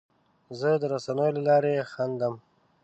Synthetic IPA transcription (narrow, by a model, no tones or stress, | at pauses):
zəd̪əɾasanəjolalɑɾexand̪əm